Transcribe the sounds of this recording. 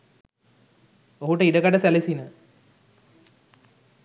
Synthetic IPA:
oɦuʈəiɖəkaɖəsælesinə

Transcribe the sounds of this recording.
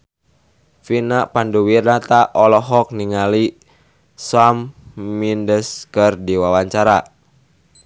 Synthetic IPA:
finapanduwirnat̪aʔɔlɔɦɔk̚niŋali | samːindəskərdiwawaɲt͡ʃaɾa

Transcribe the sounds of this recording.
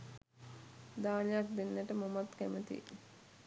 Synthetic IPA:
d̪aːnejak̚d̪enːæʈəmomat̪kæmət̪ḭ

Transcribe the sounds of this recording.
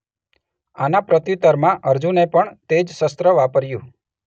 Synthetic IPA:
anapɾət̪jit̪əɾmãʔəɾd͡ʒũnepəɳt̪ed͡ʒsəst̪ɾəʋapəɾjũ

